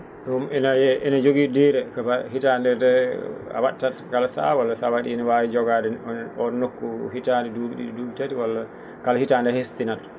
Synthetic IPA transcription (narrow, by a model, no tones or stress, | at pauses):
dumɛnajɛʔɛnad͡ʒoɡidɛɾɛkabahitandɛdɛa̰watːatkalasa̰walːasawaɗinawajid͡ʒɔɡadɛɔnɔnnokːuhitaːndɛdubɗḭduːbitatiwalːa | kalhitandɛhestinat